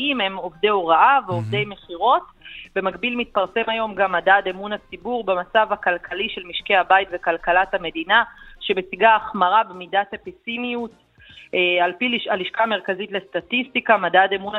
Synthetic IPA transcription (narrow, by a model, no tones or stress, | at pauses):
ime̞mo̞vdeoʁaʔaveovdejme̞χiʁo̞t | be̞maɡbilmit̪̚paʁse̞majo̞mɡamːadademunat͡sibuʁbemat͡savakalkʰaliʃe̞lmiʃkeabajtve̞kalkalathame̞dinaʃe̞besiɡaːχmaʁabemidatapisimijut | ealpiliʃaliʃkame̞ʁkazitle̞statistikamadademuna